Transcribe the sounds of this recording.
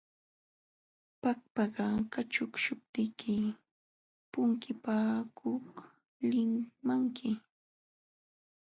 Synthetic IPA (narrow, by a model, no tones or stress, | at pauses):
pak̚pɑɢɑkat͡ʃʊkʃʊp̚t̪ɪkʰɪ | pʊŋkɪpaːkʰoh | lɪmmaŋkʰɪ